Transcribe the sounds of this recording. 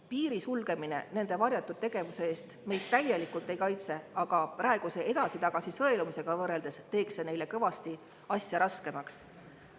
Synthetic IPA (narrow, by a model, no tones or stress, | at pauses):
piːɾisulɡ̥e̞mine̞̰ne̞nd̪̥e̞vɑrjɑt̪ːˑud̪̥̚t̪e̞ɡ̥e̞vuse̞eːst̪me̞jd̪̥̚t̪æje̞likult̪ːˑe̞jkɑjt̪se̞ɑɡ̥ɑprʔɑe̞ɡ̥use̞ʔe̞d̪ɑsit̪ɑɡ̥ɑsisɤ̞e̞lumise̞ɡ̥ɑvɤrːe̞ld̪e̞st̪e̞ːkse̞ne̞jle̞kɤvɑst̪i | ɑsʲjɑɾɑske̞mɑks